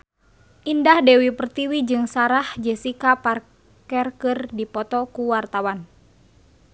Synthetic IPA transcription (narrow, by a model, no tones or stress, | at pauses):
ʔindahdɛwipərt̪iwid͡ʒɨŋsaɾahd͡ʒɛsikapar | kɛrkɨrdipɔt̪ɔkuwart̪awan